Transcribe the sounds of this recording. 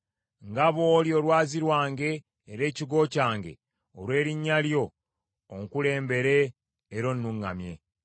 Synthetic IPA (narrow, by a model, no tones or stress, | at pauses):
ŋɡaβo̞ːljo̞ːlwaːziɾwaːŋɡe̞ː | ɾe̞ːciɡo̞ːcaːŋɡe̞̰ | olwe̞ːɾiɲːaljo̞ː | ŋkule̞ːmbe̞ɾe̞ː | ɾo̞nːuŋːamje̞̰